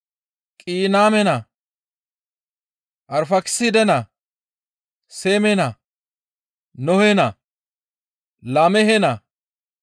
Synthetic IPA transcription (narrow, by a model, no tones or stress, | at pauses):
kʼiːnaːmɛnɐ | ʔɐɾfɐkɪ̥sɪd̪ɛnɐ | seːmɛnɐ | nɔhenɐ | lamɛɦɛnɐ